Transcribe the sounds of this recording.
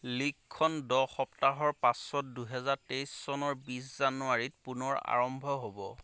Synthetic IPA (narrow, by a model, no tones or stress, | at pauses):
likʰːɔndɔxɔptaɦɔɹpãsɔt̚duɦɛzaɹtejsːɔnɔɹbiszanuaɹit̚punɔɹa̰ɹɔmbʱɔɦobɔ